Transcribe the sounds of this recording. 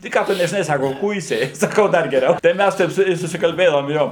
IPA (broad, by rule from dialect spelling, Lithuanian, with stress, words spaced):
tɐɪ ˈkɑː tʊ nʲɛʒʲɪˈnɐɪ ˈsɑːkoː ˈkʊɪsʲɛɪ sɐˈkɐʊ ˈdɐr ɡʲɛˈrʲɛʊ tɐɪ ˈmʲæs ˈtʲɛɪp sʊ ˈjuɔ ɪ sʊsʲɪkɐlʲˈbʲeːdɐʋoːm ˈjoː